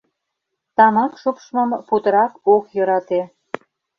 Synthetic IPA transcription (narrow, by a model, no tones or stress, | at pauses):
t̪ɑmɑkʃupʃməmput̪əɾɑkokjɤ̆ɾɑt̪e